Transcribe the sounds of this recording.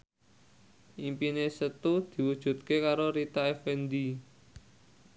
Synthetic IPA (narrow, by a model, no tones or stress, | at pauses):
ʔimpinesət̪ud̪̥i̤wud̥ʒ̥ṳt̪̚kekaɾoɾit̪aefɛnd̪i